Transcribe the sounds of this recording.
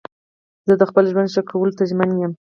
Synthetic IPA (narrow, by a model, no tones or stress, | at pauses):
z̥əd̪əxpəlʒwand̪ʃakʰːawəlot̪aʒmanjəm